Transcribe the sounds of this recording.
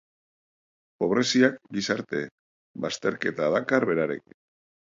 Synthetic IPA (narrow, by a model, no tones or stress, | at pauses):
po̞β̞ɾe̞siakɡisaɾt̪e̞ | bast̪e̞ɾke̞t̪aðakaɾβe̞ɾaɾḛki̥